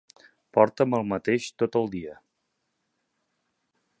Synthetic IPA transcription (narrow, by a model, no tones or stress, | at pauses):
pɔɾt̪əməlˠmət̪eʃt̪ot̪əlˠd̪iə